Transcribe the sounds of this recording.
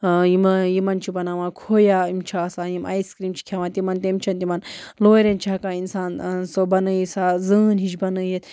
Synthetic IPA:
jimjimɐnt͡ʃʰibɐnaʋãːkʰoːjaːimt͡ʃʰaːsaːjimʔa̰jskɾiːmt͡ʃʰi̥kʲʰaʋãːt̪imɐnt̪emt͡ʃʰɐnt̪imɐnloːɾent͡ʃʰakaːinsaːnsobɐnɨjisaːzɨːnɦit͡ʃbɐnɨjet̪

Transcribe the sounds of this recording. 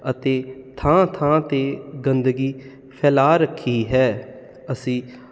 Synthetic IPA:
ət̪eːt̪ʰãːt̪ʰãːt̪eːɡənd̪əɡiː | pʰɛːlaːɾəkʰːiːɦɛː | əsĩː

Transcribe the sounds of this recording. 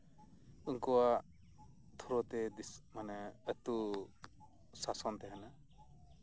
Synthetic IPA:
uŋkɔwa | t̪ʰuɾɔt̪ɛd̪ismanɛət̪u | sasɔnt̪ɛɦɛna

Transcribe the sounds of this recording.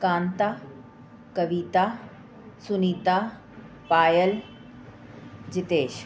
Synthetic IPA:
kãːnt̪aː | kɐʋiːt̪a | sʊniːt̪a | paːjəl | d͡ʑɪt̪eːʃ

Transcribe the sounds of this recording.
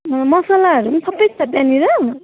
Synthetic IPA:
mʌsalaɦʌɾumsʌbʌjtʌbjaniɾʌ

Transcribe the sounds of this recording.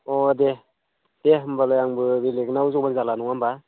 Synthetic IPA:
ɔde | d̥eɦɯmbalajaŋbɯbileknauzɔŋbanzalanɔŋamba

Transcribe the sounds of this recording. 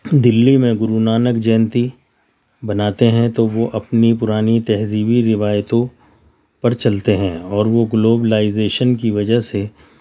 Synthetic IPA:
d̪ɪlːimẽɡʊɾunaːnəkd͡ʒɛːnt̪i | bɐnaːt̪eɦɛ̃t̪oʋoʔɐpnipʊɾaːnit̪ɛɦziːbiɾɪʋaːjt̪õ | pɐɾt͡ʃɐlt̪eɦɛ̃ːɔːɾʋoɡloːbəlaːɪzeːʃənkiʋɐd͡ʒəɦse

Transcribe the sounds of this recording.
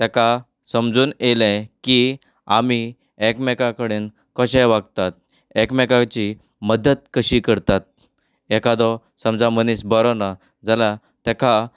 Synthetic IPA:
t̪ɛka | səmd͡zuːnelɛ̃ki | ami | ɛkmɛkãkəɽiːn | kɔɕɛ̃ʋaɡ̚t̪at̪̚ | ɛkmɛkãt͡ɕi | məd̪ət̪̚kəɕiːkəɾt̪at̪̚ | ɛkad̪ɔ | səmd͡zamənisbɔɾɔna | d͡zala | t̪ɛka

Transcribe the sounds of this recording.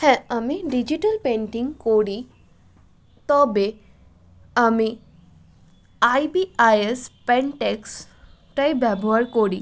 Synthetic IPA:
hɛ̃ɐmiɖid͡ʒiʈəlpẽɳʈĩŋɡkoɽi | t̪ɔbe | ɐmi | ajbiajespeɳʈeks | ʈajbabʱoəɾkoɽi

